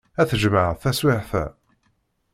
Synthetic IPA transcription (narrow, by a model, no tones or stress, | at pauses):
æθəʒməʕəθæswɪʕθæ̰